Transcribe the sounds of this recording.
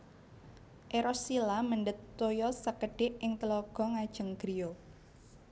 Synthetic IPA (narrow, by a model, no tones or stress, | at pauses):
ʔeɾɔsilaməɳɖət̪ːojɔsəkəɖ̥ɪ̤ʔɪŋt̪əlɔɡ̥ɔ̤ŋad̥ʒ̥ə̤ŋɡ̥ɾijo